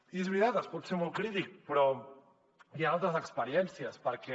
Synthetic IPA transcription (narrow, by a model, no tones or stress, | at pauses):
izβɾiaðaspoɾsemokɾit̪ik̚pɾo | ialt̪asekspeɾjensjaspaɾake